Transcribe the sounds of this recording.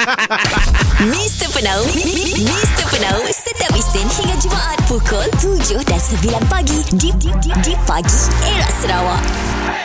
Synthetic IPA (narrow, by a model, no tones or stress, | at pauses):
mĩst̪əpənawmĩst̪əpənawsət̪awist̪ɪnhiŋãd͡ʒumaʔat̪̚pukɔlt̪ud͡ʒʊhdansəbilanpaɡididididipaɡieɹaʔsəɾawaʔ